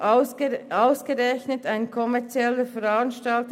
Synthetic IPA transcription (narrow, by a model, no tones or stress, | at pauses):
aʊsɡ̥əʁɛçnətaɪnkʰɔmɛɐt͡sjɛləfɛɾanʃtɑlt